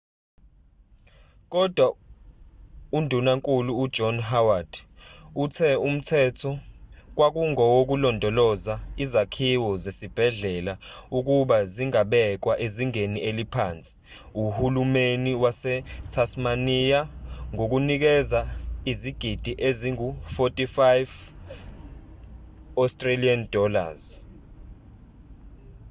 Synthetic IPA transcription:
k̬ɔd̥ʱwa | undʱunaŋkʼuluːd̥d͡ʒ̥ʱɔnɦawad̥utʰɛum̩tʰɛtʰɔk̬wak̬uŋɔwok̬ulɔndʱɔlɔzaizakʰiwɔzesib̥ʱɛɮɛlauk̬uɓaziŋaɓɛk̬waʔeziŋeniʔelipʰaːnt͡sʼi̥ | uhulumeniwasɛtʰasmanijaŋok̬unik̬ɛzaiziɡ̥ʱid̥ʱiʔeziŋufotʼifajv | ɔstʼraliand̥ʱɔla̰z̥

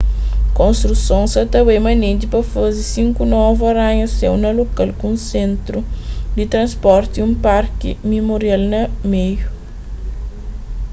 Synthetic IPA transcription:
kõnst̪ɾusõnsɐt̪ɐwejmɐnẽd̪ipɐfozisĩŋkunɔvɐɾãɲɐsɛwnɐlokalkũsẽnt̪ɾud̪it̪ɾɐ̃spɔɾt̪iũmpaɾkḭmimoɾialnɐmeju

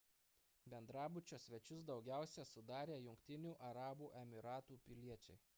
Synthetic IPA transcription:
bʲɛnd̪ɾɑːbʊt͡ʃʲoːsʲʋʲɛt͡ʃʲʊsd̪ɒʊɡʲæˑʊsʲɛsʊd̪ɑːɾʲeːjʊŋkt̪ʲɪnʲuːʔɐɾɑːbuːʔɛmʲɪɾɑːt̪uːpʲɪlʲiɛt͡ʃʲɛɪ

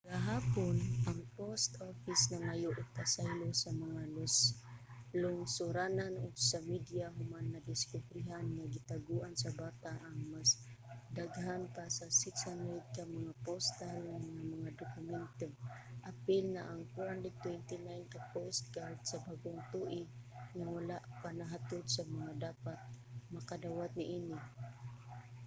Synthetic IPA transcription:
ɡaɦaːponʔaŋpost̪ofisnaŋajʊʔʊt̪̚kasajlosamaŋalʊs | lʊŋsʊɾananoɡsamid̪ijaɦʊmanːad̪ɪskʊbɾɪɦanŋaɡɪt̪aɡuʔansabaːt̪aʔaŋmasd̪aɡɦanpasasɪksanɛd̪̚kamaŋapost̪alnamaŋamɐŋad̪ʊkʊmɛnt̪ʊmʔapɪlnaʔaŋkaɾandɛt̪wɛnt̪ɪnajnkapost̪̚ɡahɪt̪sabaɡʊŋt̪uʔɪɡŋawalaʔpanaɦat̪ʊd̪samaŋad̪aːpat̪̚makad̪awat̪̚nɪʔinɪ

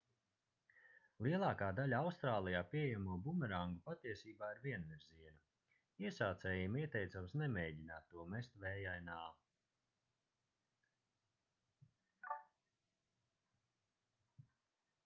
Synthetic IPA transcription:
lˠiɛlˠɑːkaːd̪alʲawst̪ɾaːlˠijaːpʲijɛmuɔbumɛɾaŋɡupat̪iɛsiːbaːiɾviɛnviɾziɛnu | iɛsaːt̪sɛːjimiɛt̪ɛjt̪samsnɛmeːɟʲinaːt̪ːuɔmɛst̪vɛːjajnaː

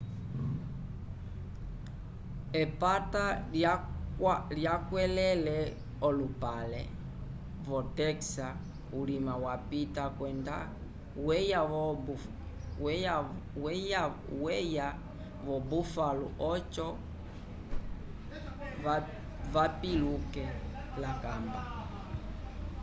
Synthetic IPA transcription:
ɛpata | ljakwɛlɛlɛ | ɔlupalɛ̰ | vɔtɛksa | ulimawapitakwɛnda̰ | wɛjaɔbu | wɛjawɛja | wɛja | vɔbufalṵʔɔt͡ʃɔ | a | vapilukɛ | lakamba

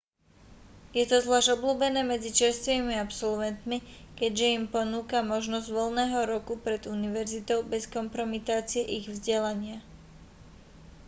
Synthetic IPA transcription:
jɛt̪ɔzʋlaːʒɟɔbluːbɛnɛːmɛd͡zit͡ʃɛɾst̪ʋiːmiapsɔlʋɛnt̪mikɛɟʒɛimpɔnuːkamɔʒnɔzɟʋɔlnɛːɦɔɾɔkupɾɛd̪uniʋɛɾzit̪ɔʊbɛskɔmpɾɔmit̪aːt͡siɛʔiɣvzɟɛlaɲɪa

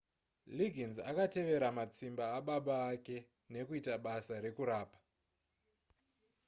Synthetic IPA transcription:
liɡʱinzakate̞ʋe̞ɾamat͡simbaːɓaɓaːke̞ | ne̞kuitaɓasaɾe̞kuɾaːpḁ

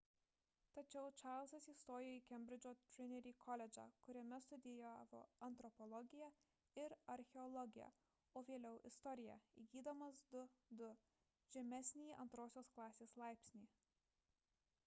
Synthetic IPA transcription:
t̪ɐt͡ʃʲɛʊt͡ʃɑˑːɾlˠsɐsiːst̪oːjʲɪjoiːkʲɛmʲbʲɾʲɪd͡ʒʲoːt̪ʲɾʲɪnʲɛɾʲiːkʰɔlʲɛd͡ʒʲɑ̰ːkʊɾʲɛmʲɛst̪ʊd̪ʲɪjæʋo̰ːɐnt̪ɾɔpɔlˠɔɡʲɪjæ | ɪɾɐɾʲxʲɛɔlˠɔɡʲɪjɛ̰ | oːʋʲiɛlʲɛʊʔɪ̰st̪ɔɾʲɪjɛ̰ḭɡʲiːd̪ɐmɐsd̪ʊd̪ʊ | ʒʲɛmʲɛsʲnʲiiːʔɐnt̪ɾoːsʲoːsklˠɑːsʲeːslˠɑˑɪpʲsʲnʲiː

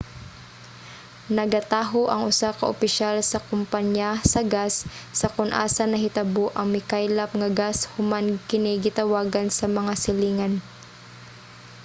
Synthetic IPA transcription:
nɐɡɐt̪aːɦoʔɐŋʔʊsakɐʔʊpɪʃalsɐkʊmpaɲjasɐɡasːɐkʊnʔa̰ːsɐnɐɦɪt̪ɐboʔɐŋmɪkajlɐpŋɐɡashʊmankɪnɛɡɪt̪ɐwaːɡɐnsɐmɐŋasɪliːŋɐn

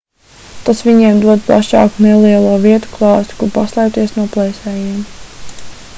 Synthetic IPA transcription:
t̪asʋiɲiɛmd̪uɔd̪̚plˠa̰ʃɑ̰ːkuneliɛlˠuɔviɛt̪u̥klˠɑːst̪i̥kuɾpaslˠɛjp̚t̪iɛsnuɔplˠɛjsʲɛːjiɛm

